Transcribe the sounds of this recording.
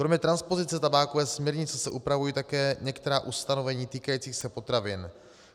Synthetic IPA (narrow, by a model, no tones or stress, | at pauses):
kɾomɲɛt̪ɾanspo̞zɪt͡sɛt̪abaːkovɛːsmɲɛɾɲɪt͡sɛsɛʔupɾavujiːt̪akɛːɲɛkt̪ɛɾaːʔust̪ano̞vɛɲiːt̪iːkajiːt͡siːxsɛpo̞t̪ɾavɪn